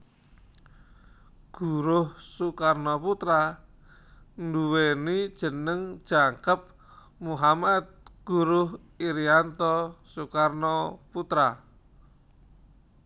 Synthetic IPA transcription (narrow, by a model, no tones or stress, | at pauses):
ɡ̥uɾʊhsukarnɔput̪ɾa | nduwenid̥ʒ̥ə̤nəŋd̥ʒ̥aŋkəp̚ | muɦamad̪̚ɡ̥uɾʊh | iɾiant̪ɔsukarnɔput̪ɾa